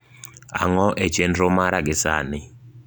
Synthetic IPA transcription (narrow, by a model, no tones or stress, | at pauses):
a̰ŋɔʔɛt͡ʃɛndrɔmaɾaɡɛsa̰ːnɪ